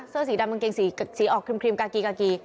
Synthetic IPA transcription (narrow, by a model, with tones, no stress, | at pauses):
sɤː˥˩s̬i˨˦daː˧ma˧ŋke˧ŋsi˨˩˦siː˨˦ʔɔː˧kʰɾi˧mkʰi˧mkaː˧kiː˧kaː˧kiː˧